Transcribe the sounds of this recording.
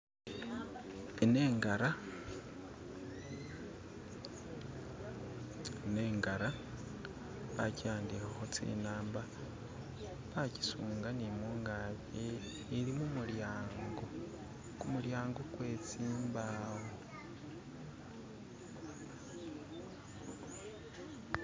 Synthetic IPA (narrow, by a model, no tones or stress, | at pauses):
ene̞ːŋɡaɾa | neːŋɡaɾa | βa̰cijaːndikaxot͡sḭnaːmba | βaci̥suːŋɡanimuːŋɡaβeː | ɾimumuljaːŋɡo | kumuljaːŋɡokwe̞ːt͡siːmbaːwo